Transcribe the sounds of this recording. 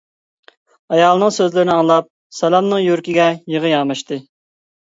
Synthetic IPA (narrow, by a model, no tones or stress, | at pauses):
ɑjɑlˠɨnɨŋsøzlɪɾɪnɪɑŋlˠɑp̚ | sɛlɑmnɨŋjyɾkʲiɡʲɛjəʁəjɑːmɑʃt̪ɨ